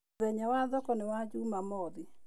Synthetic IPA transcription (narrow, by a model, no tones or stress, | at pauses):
ɛɲawaðɔkɔnewad͡ʒumamɔði